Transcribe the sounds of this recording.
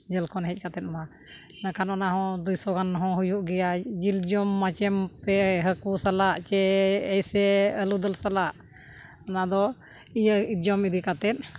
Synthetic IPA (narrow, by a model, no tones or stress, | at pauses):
d͡ʒəlkʰɔnɦɛc̚ˀkat̪ɛt̪̚ma | nakanɔnaɦɔ̃d̪ujsɔɡanɦɔ̃ɦujuʔɡɛjad͡ʒild͡ʒɔmːat͡ʃɛmpɛɦəkusalaʔt͡ʃɛɛjsɛəlud̪əlsalaʔ | ɔnad̪ɔ | ijəid͡ʒɔmid̪ikat̪ɛt̪̚